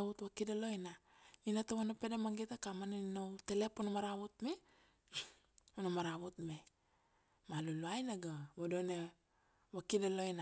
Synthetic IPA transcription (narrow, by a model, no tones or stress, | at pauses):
utwakidalo̞jnainatowanapedamaŋɡetakamananinowtelepunamaɾaβutme | unamaɾaβutme | maluluajnaɡawodone | βakidalo̞jna